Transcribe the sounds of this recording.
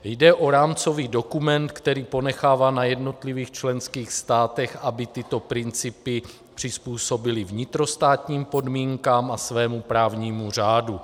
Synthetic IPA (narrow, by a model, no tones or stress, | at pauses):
jdɛʔo̞ɾaːmt͡so̞viːdo̞kumɛnt̪kt̪ɛɾiːpo̞nɛxaːvaːnajɛdno̞t̪liviːxt͡ʃlɛnskiːxst̪aːt̪ɛxʔabɪt̪ɪt̪o̞pɾɪnt͡sɪpɪ | pr̝̥ɪspuːso̞bɪlɪvɲɪt̪ɾo̞st̪aːt̪ɲiːmpo̞dmiːŋkaːmʔasvɛːmupɾaːvɲiːmur̝aːdu